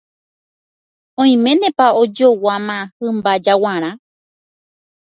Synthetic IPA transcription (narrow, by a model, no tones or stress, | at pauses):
õj̃mẽ̞nẽpaod͡ʒowamãhɨmbad͡ʒawãɾ̃ã